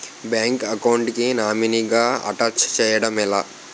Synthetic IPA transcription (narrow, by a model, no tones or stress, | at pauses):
bjaːŋkɐkɐwɳʈkinaːminiɡaːɐ̰ʈaːt͡ʃt͡ʃɛːjɐɽɐmila̰ː